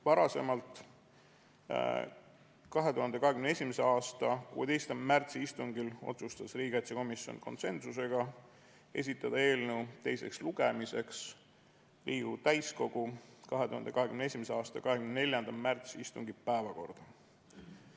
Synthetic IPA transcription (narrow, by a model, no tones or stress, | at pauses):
vɑɾɑse̞mɑlt̪ˑ | kɑɦe̞t̪uɦɑnd̪ekɑɦe̞kymneesʲimeseɑːst̪ɑkṵːet̪e̞jst̪ɑmmært̪siist̪uŋɡilo̞̰t̪sust̪ɑsriːɡ̥ɑt̪sɑko̞misjo̰nko̞̰nse̞nsus̬e̞ɡ̥ɑ | e̞̰s̬ʲit̪ˑːɑd̪̥ɑe̞ːlnewt̪e̞jse̞ksluɡ̥emise̞ks | lʔiːɡ̥ut̪æjsko̞ɡ̥ukɑɦet̪uhɑ̰nd̪ekɑɦe̞kymne̞s̬ʲimeseɑːst̪ɑkɑɦekymnne̞lʲjɑnd̪̥ɑmært̪siist̪uŋɡipæevɑko̞̰rd̪̥ɑ